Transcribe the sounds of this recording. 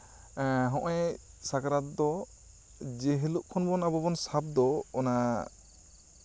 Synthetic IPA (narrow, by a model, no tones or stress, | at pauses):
ɦɔ̃ʔɛ | sakaɾat̪̚d̪ɔ | d͡ʒɛɦeluʔkʰɔnbɔnabɔbɔnsab̚d̪ɔːna